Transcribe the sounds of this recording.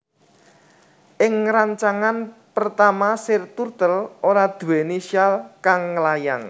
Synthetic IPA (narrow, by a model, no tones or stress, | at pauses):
ʔɪŋɾaɲt͡ʃaŋanpərt̪amasɪrt̪urt̪əlʔoɾad̪̥ṳwenesialkaŋːəlaja̰ŋ